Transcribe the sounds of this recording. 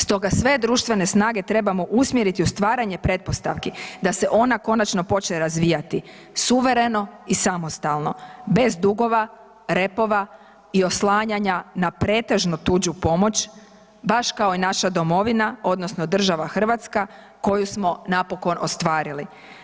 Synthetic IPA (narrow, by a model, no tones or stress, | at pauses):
st̪o̞ɡasʋe̞d̪ɾuːʃt̪ʋe̞ne̞snaːɡe̞t̪ɾe̞bamo̞ʔusmjeɾit̪iust̪ʋaːɾaɲe̞pɾe̞t̪̚po̞st̪a̰ʋkid̪ase̞ʔo̞nako̞nat͡ʃno̞po̞t͡ʃneɾazʋiːjat̪i | suʋe̞ɾe̞no̞isamo̞st̪alˠno̞be̞zd̪uɡo̞ʋa | ɾe̞po̞ʋa | io̞slˠaːɲaɲanapɾe̞ːt̪e̞ʒnut̪ud͡ʑupo̞mo̞t͡ɕ | baʃkao̞inaʃad̪o̞mo̞ʋinao̞d̪no̞sno̞d̪r̩ʒaʋaxr̩ʋat̪ska | ko̞jusmo̞napo̞ko̞nʔo̞st̪ʋaːɾili